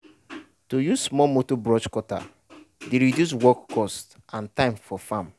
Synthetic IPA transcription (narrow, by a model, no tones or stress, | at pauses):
tojusmɔlmotobɾɔd͡ʒkɔta̰ | deɾidjus̬wɔkːɔst | ãntãɪ̃mfɔfãm